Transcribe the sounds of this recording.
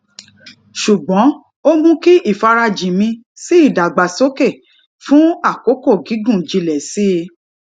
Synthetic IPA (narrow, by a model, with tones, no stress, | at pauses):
ʃu˨ɡ͡bɔ̃˨˦ | o˦mũ˦ki˦ʔi˦˨fa˧ɾa˧d͡ʒĩ˨mĩ˧ | si˦i˦˨da˨ɡ͡ba˨so˨˦ke˦˨ | fũ˦a˦˨ko˨˦ko˦˨ɡi˨˦ɡũ˦˨d͡ʒi˧lɛ˨si˦e˧